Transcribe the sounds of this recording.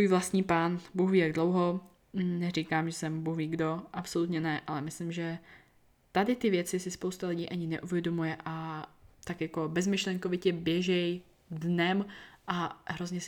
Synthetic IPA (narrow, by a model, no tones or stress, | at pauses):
t̪vuːjvlast̪ɲiːpaːnbuɣviːjaɡdlo̞wɦo̞ | nɛr̝iːkaːmʒɛsɛmbuhviːɡdo̞ʔapso̞lut̪ɲɛnɛʔalɛmɪslɪmʒɛ | t̪adɪt̪ɪvjɛt͡sɪsɪspo̞wst̪alɪɟiːʔaɲɪnɛʔuvjɛdo̞mujɛʔat̪akjako̞bɛzmɪʃlɛŋkovɪcɛbjɛʒɛj | dnɛmʔaɦɾozɲɛs